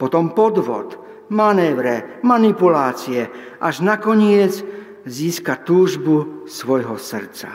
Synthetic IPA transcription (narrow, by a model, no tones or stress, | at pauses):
pɔt̪ɔmpɔd̪ʋɔ̰t̪ | manɛːʋɾɛmanipulaːt͡siɛ | ʔaʒnakɔɲɪɛd͡z | ziːskat̪uːʒbusʋɔjɦɔsr̩t͡sa̰